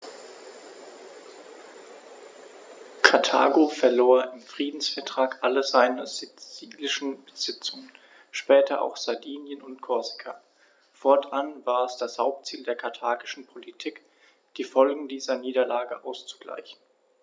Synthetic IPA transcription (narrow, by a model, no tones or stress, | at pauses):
kʰatʰa̰ːɡofɛɐloːɐʔɪmfʁ̥iːdn̩sfɛɐtʁ̥aːkʔaləzaɪnɐzɪt͡siːlɪʃn̩b̥əz̥ɪt͡sʊŋən | ʃpɛːtʰɐʔa̰ʊxz̥adiːnjənʊntkʰɔɐzɪkʰaː | fɔɐtʰʔanvaːɐɛsd̥ashaʊp̚tt͡siːldeːɐkʰaɐtʰaːɡɪʃn̩pʰolitʰiːk | d̥iːfɔlɡŋ̩diːzɐniːdɐlaːɡəʔaʊst͡su̥ɡ̥la̰ɪçn̩